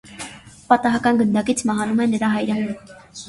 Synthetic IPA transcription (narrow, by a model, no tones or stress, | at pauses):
pɑt̪ɑɦɑkɑnɡənd̪ɑkit͡sʰmɑɦɑnumɛnəɾɑɦɑjɾə